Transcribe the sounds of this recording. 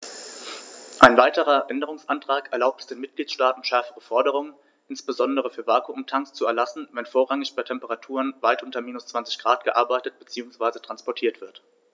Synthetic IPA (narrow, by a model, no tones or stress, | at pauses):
ʔaɪnvaɪtəʁɐʔɛndəʁ̞ʊŋsʔantʁ̥aːkɛɐlaʊp̚tɛ̥sd̥eːnmɪt̚ɡ̥liːtʃtaːtn̩ʃɛɐfəʁəfɔɐdəʁ̞ʊŋən | ʔɪnsb̥əzɔndəʁ̞əfyːɐvaɐkʰuʊmtʰaŋst͡suɛɐlasn̩vɛnfoːɐʁaŋɪçb̥aɪtʰɛmpəʁatʰuːʁənvaɪtʔʊntɐmiːnʊst͡sv̥ant͡sɪ̥çɡ̥ʁaːtɡ̥əʔaɐbaɪtət̚b̥ət͡siːʊŋsv̥aɪzətʁ̥anspɔɐtʰiːɐtv̥ɪɐt